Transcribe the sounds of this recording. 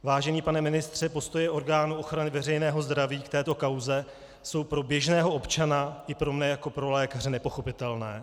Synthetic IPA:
vaːʒɛɲiːpanɛmɪnɪst̪r̝̥ɛpo̞st̪o̞jɛʔo̞ɾɡaːnuʔo̞xɾanɪvɛrɛjnɛːɦo̞zd̪ɾaviːkt̪ɛːt̪o̞kawzɛ | so̞wpɾo̞bjɛʒnɛːɦo̞ʔo̞pt͡ʃanaʔɪpɾo̞mnɛjako̞pɾo̞lɛːkar̝ɪnɛpo̞xo̞pɪt̪ɛlnɛː

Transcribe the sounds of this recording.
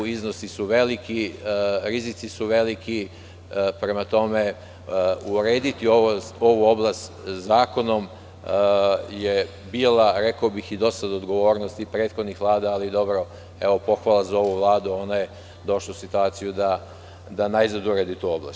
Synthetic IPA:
iznosisuʋe̞likiɾizit̪sisuʋe̞liki | pɾe̞mat̪o̞me̞ | uɾe̞ːd̪it̪io̞ʋoo̞ʋuo̞blˠast̪ | zaːko̞no̞m | je̞ | biːlaɾe̞kaobixid̪o̞sad̪od̪ɡo̞ʋo̞ːɾnost̪ipɾeːt̪xo̞d̪nixʋlˠaːd̪aːlid̪o̞bɾo̞ | e̞ʋo̞po̞xʋalˠazao̞ʋuʋlˠaːd̪uo̞naje | d̪o̞ʃlˠausit̪uaːt̪sijud̪a | d̪anaizad̪uɾed̪it̪uːo̞bla̰s

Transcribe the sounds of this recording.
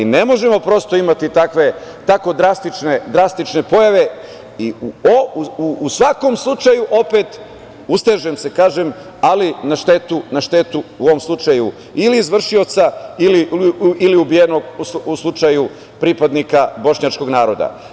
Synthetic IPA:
ine̞mo̞ʒe̞mo̞pɾo̞st̪o̞imat̪it̪akʋe̞t̪ako̞d̪ɾast̪it͡ʃned̪ɾast̪it͡ʃne̞po̞jaʋe̞ | iuouuːsʋako̞mslˠut͡ʃajuʔo̞pet̪ | ust̪eʒe̞mse̞kaːʒem | alinaʃt̪e̞t̪unaʃt̪e̞t̪uuoʋomslˠut͡ʃaju | iliːzʋr̩ʃio̞t̪sailiiliubijeno̞ɡuslˠut͡ʃaju | pɾipad̪nikabo̞ʃɲat͡ʃko̞ɡnaːɾo̞d̪a̰

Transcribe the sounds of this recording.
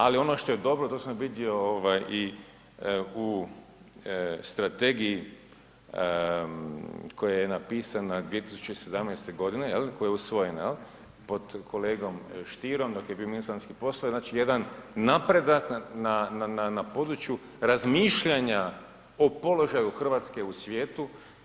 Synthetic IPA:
alio̞noʃt̪o̞jed̪o̞bɾot̪osamʋid̪io̞oʋaji | u | st̪ɾat̪e̞ɡiji | ko̞jajenapiːsanad̪ʋie̞t̪isu̥t͡ʃeise̞d̪amnɛjst̪e̞ɡo̞d̪inejelkojeusʋo̞jenajel | po̞d̪kʰo̞leːɡo̞mʃt̪iɾo̞md̪o̞kjebiominisanskipo̞saznaːt͡ʃije̞d̪anːapɾe̞d̪aknanananapo̞d̪ɾut͡ʃju | ɾazmiːʃʎaɲa | opo̞lo̞ʒajuxr̩ʋaːt̪ske̞usʋjeːt̪u

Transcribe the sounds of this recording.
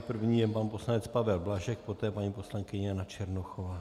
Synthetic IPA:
pr̩vɲiːjɛpanpo̞slanɛt͡spavɛlblaʒɛk̚pot̪ɛːpaɲiːpo̞slaŋkɪɲɛnat͡ʃɛɾnoxova

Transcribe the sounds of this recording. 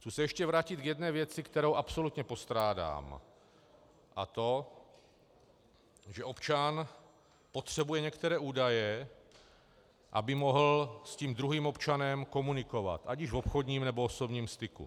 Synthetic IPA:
xt͡suːsɛjɛʃcɛvɾaːcɪd̪ɡjɛd̪nɛːvjɛt͡sɪkt̪ɛɾowʔapso̞lut̪ɲɛpo̞st̪ɾaːda̰ːm | ʔat̪o̞ | ʒɛʔopt͡ʃan | pot̪r̝̥ɛbujɛɲɛkt̪ɛɾɛːʔuːdajɛ | ʔabɪmoɦl̩sciːmd̪ɾuɦiːmopt͡ʃanɛmko̞munɪko̞va̰t̪ʔaɟɪʒvopxod̪ɲiːmnɛbooso̞bɲiːmst̪ɪkṵ

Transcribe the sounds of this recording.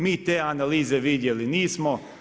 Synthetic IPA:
miːt̪eːanaliːze̞ʋid̪je̞liniːsmo

